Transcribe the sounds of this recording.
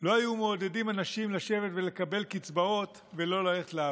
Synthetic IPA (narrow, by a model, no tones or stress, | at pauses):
lo̞ajumeːd̪e̞dimanaʃimlaʃe̞ve̞t̪ve̞le̞kabe̞lkit͡sbao̞t̪ | ve̞lo̞lale̞χetlea